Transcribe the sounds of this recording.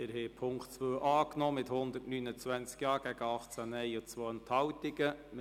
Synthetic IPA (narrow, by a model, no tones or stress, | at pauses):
ɪɾhɛɪpʰʊŋktt͡sʋøːʔɑːknɔːmɪthʊnd̪ətnynət͡sʋænt͡skjɑːɡ̥æɡəɑχt͡sænɛɪot͡sʋoːənt̪hɑwt̪iɡəm